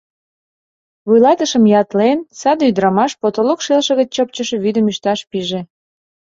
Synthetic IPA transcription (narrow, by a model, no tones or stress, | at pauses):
βujlɑt̪əʃəmjɑt̪lensɑd̪yd̪ɾɑmɑʃpot̪olokʃelʃə̆ɣət͡ɕt͡ɕəp̚t͡ɕəʃeβyd̪əmyʃt̪ɑʃpiʒe